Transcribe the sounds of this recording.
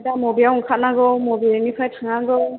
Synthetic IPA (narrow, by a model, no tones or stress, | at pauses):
damɔbijawɔŋkʰat̚naɡɔwmɔbinipʰajtʰaŋaɡɔ